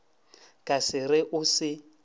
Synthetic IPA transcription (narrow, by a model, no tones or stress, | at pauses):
kʼasɪrɪʔʊsɪ